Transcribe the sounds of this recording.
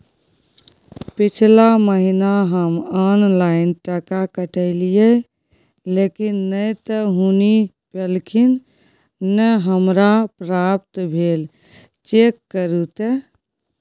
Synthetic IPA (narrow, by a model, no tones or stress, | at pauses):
pit͡ʃʰlaməɦinaɦəmɔnlaɪnʈəkakəʈəɪlije | lekinːəjt̪əɦuni | pelkʰinː | əɦəmɾapɾap̚t̪bʱel | t͡ʃekːəɾut̪e